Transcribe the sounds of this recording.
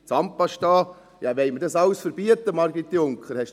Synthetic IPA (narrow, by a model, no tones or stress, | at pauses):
t͡sɑmpɑʃtɑː | jɑʋɛɪmədɑsɑlsfəɾb̥iət̪ːəmɑɾɡit̪ːiʊŋkχəɾhɛʃ